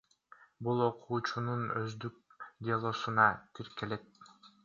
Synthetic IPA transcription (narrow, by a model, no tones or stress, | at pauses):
bulˠo̞qʰuːt͡ʃununøzd̪yk̚d̪ʲealˠo̞sunɑt̪ʰiɾke̞le̞t̪̚